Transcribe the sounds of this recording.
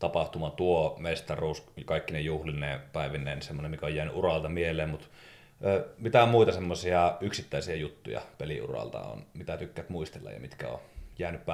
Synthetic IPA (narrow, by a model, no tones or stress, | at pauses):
t̪ɑpɑht̪umɑt̪uomest̪ɑruːsɑkɑˑikːinejuhlineːpæˑiʋinːˑeːnsemːonemikæojæːny̰ʔurɑlt̪ɑmieleːmmut̪ː | mit̪æomuit̪ɑsemːosiɑyksit̪ːæisiɑjut̪ːṵjɑ̰pelḭʔṵrɑ̰lt̪ɑ̰o̰nmit̪æt̪ykːæt̪muist̪elːɑ̰jɑ̰mit̪kæ̰o̰jæːnyppæ